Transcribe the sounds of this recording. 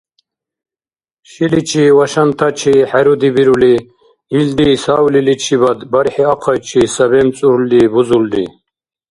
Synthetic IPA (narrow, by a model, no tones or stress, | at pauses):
ʃilit͡ʃʰiwaʃant̪ʰat͡ʃʰiħɛɾud̪ibiɾuli | ild̪isawlilit͡ʃʰibad̪bɐɾħiaqʰajt͡ʃʰisɐbɛmt͡sʼuɾuld̪ibuzuld̪ḭ